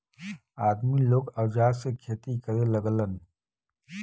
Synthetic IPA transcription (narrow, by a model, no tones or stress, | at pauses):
aːd̪miloːɡɐwd͡ʒaːsekʰeːt̪ikəɾeləɡlən